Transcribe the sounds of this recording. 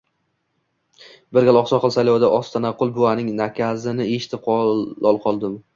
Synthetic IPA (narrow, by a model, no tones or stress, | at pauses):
bɪɾɡʲalˠɒχsɒqɨlˠsajlɒwd̪aʔɒst̪ʰanaqːʊlˠbʊanɪŋnakʲʰazɪnɪeʃɪ̥t̪ʰɪp̚qʰɒɒlˠqʰɒlˠd̪ɪm